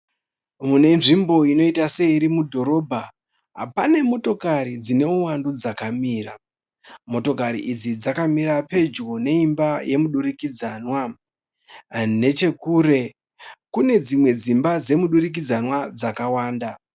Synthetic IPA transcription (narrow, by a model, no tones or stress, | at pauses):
mune̞nʐimbo̞ino̞itase̞iɾimudʱo̞ɾo̞ːbʱa | ɦa̰pane̞mo̞to̞kaɾid͡zine̞uwandud͡zakamiːra | mo̞to̞kaɾḭʔid͡zid͡zakamiɾape̞d͡ʒɡone̞imbaje̞muɗurikid͡zaːnwa | ne̞t͡ʃe̞kuːɾe̞ | kune̞d͡zimwe̞d͡zimbad͡ze̞muɗurik̬id͡zanwad͡zakawaːnda